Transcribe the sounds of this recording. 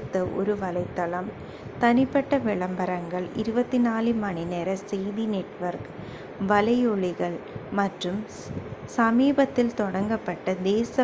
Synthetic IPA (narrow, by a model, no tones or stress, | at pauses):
t̪ːɐʔɔ̰ɾɯʋɐlɐɪt̪ːɐlɐm | t̪ɐnɪpːɐʈːɐʋɪɭɐmbɐɾɐŋɡɐɭɪɾɯbɐt̪ːinaːlimɐɳɪneːɾɐsɛjðinɛʈʋɐɾk | ʋɐlɐɪjɔɭɪɣɐɭmɐʈrɯm | sɐmiːbɐt̪ːɪlt̪ɔɽɐŋɡɐpːɐʈːɐd̪eːsɐ